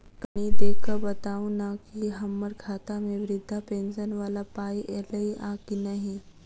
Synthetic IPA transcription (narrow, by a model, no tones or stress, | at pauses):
kaɽ̃id̪ekʰəbət̪aʋunakiɦəmːəɾkʰat̪ameʋɾid̪ʱːapensənʋalapajeləiʔakinaɦi